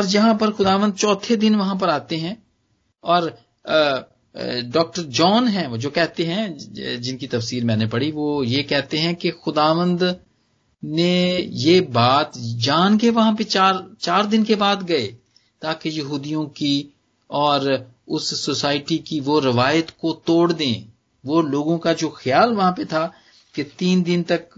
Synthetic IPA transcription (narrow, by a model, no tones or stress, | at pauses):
ɔːɾd͡ʒɐɦãpɐɾxʊd̪aːʋə̃nd̪̚t͡ʃɔːt̪ʰed̪ɪnʋɐɦãp̬ɐɾaːt̪eɦɛ̃ | ɔːɾ | ɖɔːk̚ʈəɾd͡ʒɔːnɦɛ̃d͡ʒoːkɛɦt̪eɦɛ̃d͡ʒɪnkit̪ɐfsiːɾmɛ̃ːnepɐɽiʋoːjekɛɦt̪eɦɛ̃kexʊd̪aːʋə̃nd̪ | nejebaːt̪d͡ʒaːnkeʋɐɦãpet͡ʃaːɾt͡ʃaːɾd̪ɪnkebaːd̪ɡɐeː | t̪aːkejɐɦuːd̪ijõki | ɔːɾ | ʊsːosaːɪʈikiʋoɾɪʋaːjət̪kot̪oːɽd̪ẽː | ʋoloːɡõkad͡ʒoːxɪjaːlʋɐɦãpet̪ʰaː | ket̪iːnd̪ɪnt̪ɐk̚